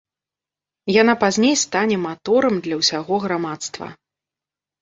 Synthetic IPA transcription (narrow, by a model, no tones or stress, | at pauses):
janapazʲnʲejst̪anʲɛmat̪ɔɾɐmd̪lʲɐwsʲaɣɔɣɾamat̪st̪vɐ̰